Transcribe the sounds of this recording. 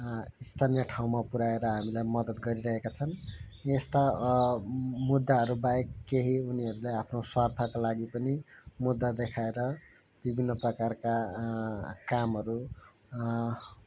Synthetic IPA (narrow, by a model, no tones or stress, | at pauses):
ist̪ʰanjʌʈʰaw̃mapuɾaeɾʌɦamilajmʌd̪ʌd̪ɡʌɾiɾʌɦekat͡sʰʌnest̪a | mud̪ːaɦʌɾubaekːeɦiuniɦʌɾuleapʰnoswart̪ʰakolaɡipʌnimud̪ːad̪ekʰaeɾʌ | b̥ibʱinːʌprʌkarka | kamɦʌɾu